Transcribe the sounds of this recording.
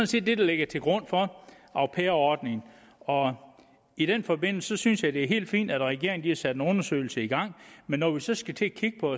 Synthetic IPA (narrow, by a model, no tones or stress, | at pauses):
sɔn̩se̝̰ːd̥ːe̝d̥ɑle̝ɡ̥ɐt͡sʰe̝lɡ̥ʁɔ̽n̰fɒ̽ | ɑ̈ʊpʰeɐɒd̥ne̝ŋn̩ | ɒ̽ | iɾ̥enfɒ̽be̝n̰l̩səsɒ̽synsjɑ̈ɪd̥e̝æɐɦe̝̰ːld̥fḭːnd̥æd̥ʁɛɡ̥e̝ɐŋ̩d̥ihɑsæd̥enɔ̽nɐsø̰ɪl̩səiɡ̥ɑ̈ŋ̰menːɒʋisɒ̽sɡ̥æt͡sʰe̝kʰiɡ̥əpʰɒ̽